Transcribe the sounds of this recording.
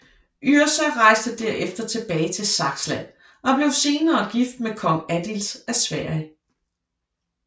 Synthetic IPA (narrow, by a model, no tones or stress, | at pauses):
ʔyɐsɒʁɑ̈ɪsd̥əd̥æɐ̰ʔefd̥ɐt͡sʰe̝b̥ɛːɪt͡sʰe̝lsɑ̈ɡ̥slæn̰ | ɒ̽b̥le̝ʊse̝ːnɐːɡ̥ifd̥̚mekʰɒ̽ŋæd̥ilsæsʋæɐ̰jə